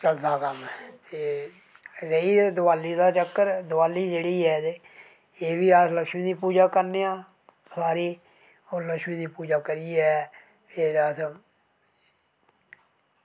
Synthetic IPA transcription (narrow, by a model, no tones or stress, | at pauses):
t͡ʃəld̪aːkəmɛt̪eː | ɾəiːd̪ʊʋaːliːd̪aːt͡ʃəkːəɾd̪ʊʋaːliːd͡ʒeːɽiːɛːd̪e | eːʋiːaːsləkʃmĩːd̪iːpuːd͡ʒaːkəɾneːãː | saːɾiː | oːləkʃmĩːd̪iːpuːd͡ʒaːkəɾiɛː | pʰɪɾəs